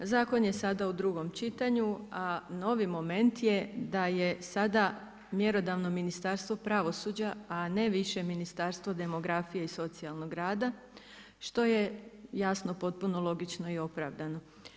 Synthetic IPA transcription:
zaːko̞nje̞sad̪aud̪ɾuɡo̞mt͡ʃit̪aɲuano̞ʋimo̞me̞nt̪jed̪aje̞sad̪a | mje̞ɾo̞d̪aʋno̞minist̪aɾst̪ʋo̞pɾaʋo̞sud͡ʑaane̞ʋiʃe̞minist̪aɾst̪ʋod̪e̞mo̞ɡɾafijeiso̞t̪sialˠno̞ɡɾaːd̪a | ʃt̪o̞je̞jasno̞po̞t̪̚puno̞lˠo̞ɡit͡ʃno̞io̞pɾaʋd̪ano̞

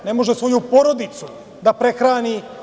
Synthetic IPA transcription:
ne̞mo̞ʒesʋo̞jupo̞ɾo̞d̪it̪su | d̪apɾe̞xɾaːni

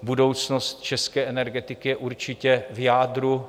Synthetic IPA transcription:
budo̞wt͡snost̪̚t͡ʃɛskɛːʔɛnɛɾɡɛt̪ɪkɪjɛʔuɾt͡ʃɪcɛvjaːdɾu

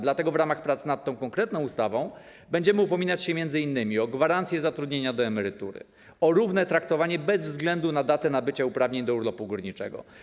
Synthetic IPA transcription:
d̪lat̪ɛɡɔvɾamaxpɾat̪snat̪̚tːɔ̃w̃kɔ̃ŋkɾɛt̪nɔ̃w̃ust̪avɔ̃w̃ | bɛɲd͡ʑɛmɘupɔmʲinat͡ɕɕɛmʲjɛnd̪zɘinːɘmʲiɔɡvaɾant̪sʲjɛzat̪ɾud̪ɲeɲad̪ɔɛmɛɾɘt̪ṵɾɘ̰ | ɔɾuvnɛt̪ɾakt̪ɔvaɲɛbɛzvzɡlɛnd̪unad̪at̪ɛnabɘt͡ɕaupɾavɲeɲd̪ɔuɾlɔpuɡuɾɲit͡ʂɛ̰ɡɔ̰

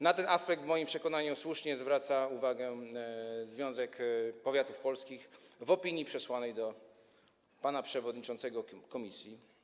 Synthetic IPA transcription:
nat̪ɛnaspɛk̚t̪vmɔjimpʂɛkɔnaɲuswuʂɲɛzvɾat̪sauvaɡɛ | zvʲjɔ̃w̃zɛkpɔvʲjat̪ufpɔlskʲixvɔpʲiɲipʂɛswanɛjd̪ɔ | panapʂɛvɔd̪ɲit͡ʂɔnt̪sɛɡɔkɔmʲisʲji

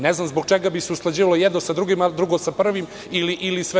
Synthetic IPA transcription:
neznamzboɡ̚t͡ʃeɡabiseusklad͡ʑiːʋalojɛd̪nosad̪ɾuɡimad̪ɾuɡosapr̩ʋim | iliʔilisʋe

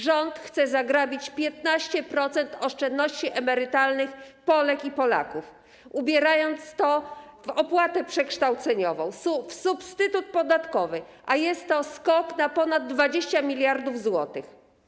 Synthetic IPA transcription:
ʐɔnt̪xt̪sɛzaɡɾabʲit͡ɕpʲjɛt̪naɕt͡ɕɛpɾɔt̪sɛnt̪ɔʂt͡ʂɛnd̪nɔɕt͡ɕiʔɛmɛɾɘt̪alnɘxpɔlɛkipɔla̰kuf | ubʲjɛɾajɔnt̪st̪ɔ | vɔpwat̪ɛpʂɛkʂt̪awt̪sɛɲɔvɔ̃w̃fsupst̪ɘt̪ut̪̚pɔd̪at̪kɔvɘ | ʔajɛst̪ːɔskɔknapɔnad̪̚ːvad͡ʑeɕt͡ɕamʲilʲjaɾd̪ufzwɔt̪ɘx

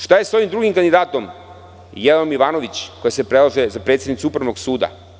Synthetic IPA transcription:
ʃt̪ajeso̞ʋimd̪ɾuɡimkand̪id̪aːt̪o̞m | jelamiʋaːno̞ʋit͡ɕkojasepɾelˠaʒezapɾe̞t̪sʲed̪nit̪suupɾaʋnoɡsuːd̪a̰

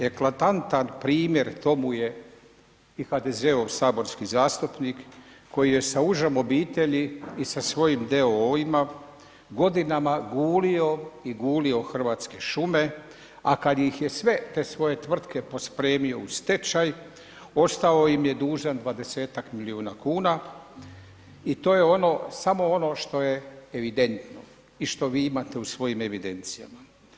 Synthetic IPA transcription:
e̞klat̪ant̪anpɾiːmje̞ɾt̪o̞muje̞ | ixad̪e̞ze̞oʋsaːbo̞ɾskizaːst̪upnikːʰo̞jije̞sauʒamo̞biːt̪e̞ʎiisasʋo̞jimd̪e̞ooima | ɡo̞d̪inamaɡuːlio̞iɡuːlio̞xr̩ʋaːt̪ske̞ʃume̞ | akad̪ixje̞sʋe̞t̪e̞ːsʋo̞je̞t̪ʋr̩t̪ke̞po̞spɾe̞ːmio̞ust̪e̞t͡ʃaj | o̞st̪aojimjed̪uːʒand̪ʋad̪e̞se̞ːt̪akmiliuːnakuːna | it̪o̞ːje̞o̞no̞samo̞o̞no̞ʃt̪o̞je̞ːʋid̪e̞nt̪no̞ | iʃt̪o̞ʋiːimat̪e̞usʋo̞jime̞ʋid̪e̞nt̪sija̰ma

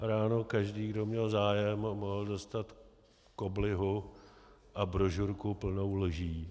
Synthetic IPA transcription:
ɾaːnokaʒdiːɡdo̞mɲɛlzaːjɛmːoɦl̩dost̪at̪ | ko̞blɪɦu | ʔabɾoʒuɾkupl̩no̞wlʒiː

